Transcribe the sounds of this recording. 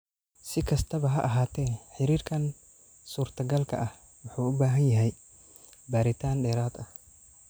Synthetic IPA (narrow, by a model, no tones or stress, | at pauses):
sɪkʰɐst̪ʰɐβɐɦɐʔɐɦaːt̪ʰɛːħɪɾiːɾkʰɐn | suːɾt̪ʰɐɡɐlkʰɐ̰ʔɐh | wʊħuːʊbaːɦɐnjɐɦɛj | baːɾɪt̪ʰaːnɗɛːɾaːt̪ɐh